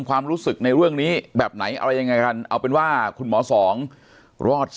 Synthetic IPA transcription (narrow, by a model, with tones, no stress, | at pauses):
mkʰwaː˧mɾuː˦˥sɯ˨˩k̚na˧jɾɯ˥˩əŋniː˦˥bɛː˨˩p̚na˩˦jʔa̰˧ɾa˧jːa˧ŋːa˧jka˧nʔa̰˧wpe˧nwaː˥˩kʰu˧nmɔː˩˦sɔː˩˦ŋ | ɾɔː˥˩t̪̚